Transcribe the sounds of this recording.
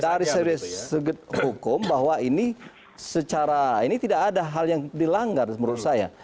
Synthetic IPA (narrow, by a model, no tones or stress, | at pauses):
daɾisəɾisəɡət̪̚hukʊmbaɦwaini | sət͡ʃaɾainit̪idakadaɦaljaŋdilaŋɡarməɾut̪̚saja̰